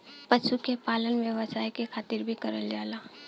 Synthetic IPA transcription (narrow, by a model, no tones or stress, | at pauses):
pəʃukepaːlənʋjəʋəsaːikekʰaːt̪ɪɾbʱikəɾəld͡ʒaːlaː